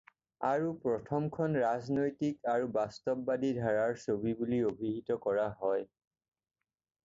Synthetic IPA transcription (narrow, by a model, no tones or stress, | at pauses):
aɹupɹɔtʰɔmkʰɔnɹaznojtikaɹubastɔp̚ːadidʱaɹaɹsobibuliobʱiɦitɔkɔɹaɦɔj